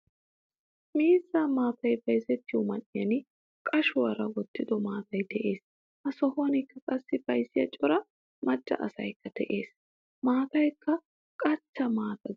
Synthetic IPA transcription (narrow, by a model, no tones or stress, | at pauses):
miːzːaːmaːt̪ɐjbɐjsɛt̪ːɪjʊmɐnːɪjɐnɪ | kʼɐʃʊwɐɾɐwɔt̪ːɪd̪ɔmaːt̪ɐjt̪ɛʔe̞ːs | hɐsɔhɐnɪkːɐkʼɐsːɪbɐjsːɪjɐ̰t͡ʃʼɔɾɐ | mɐd͡ʒːɐ̰ʔɐsɐ̰jkːɐt̪ɛʔe̞ːs | maːt̪ɐjkʰːɐ | kʼɐt͡ʃːɐmaːt̪ɐ